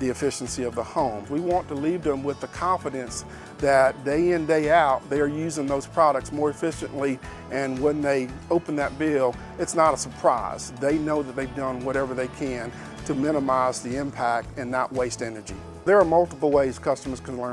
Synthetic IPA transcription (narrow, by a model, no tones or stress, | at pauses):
ðiɨfɪʃn̩siʌvðəhõʊ̃mzwiwɑ̃ntəlivðə̃mwɨðɨkʰɑ̃ɱfɨɾɨ̃ns | ðɨt̚d̥eɪɨ̃ndeɪaʊt̪̚ðeɪə˞jʉzɪ̃ŋðoʊz̥pʰɹ̥ɑɾək̚tsmɔɹɨfɪʃɨ̰̃nʔli | ɨ̃nwə̃nðeɪoʊpn̩ðɨt̚b̥ɪlˠ | ɨtsnəɾəsə˞pʰɹ̥aɪz̥ðeɪnoʊðɨt̪̚ðeɪvdʌ̃nwʌɾɛvə˞ðeɪkʰɨ̃n | tʰɨmɪ̃ñəmaɪzðiɪ̃mpʰæk̚tɨ̃nːəʔ̚weɪstɛnə˞d͡ʒḭ | ðə˞ːmʌlˠtəpl̩ˠweɪz̥kʰʌstəmə˞z̥kʰɨ̃n̩lɜ̃˞